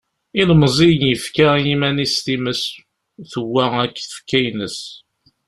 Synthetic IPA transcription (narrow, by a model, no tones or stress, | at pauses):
inmzˤijnjəfkajimænist̪iməs | θəwːæækːθə̥fkːæjnəs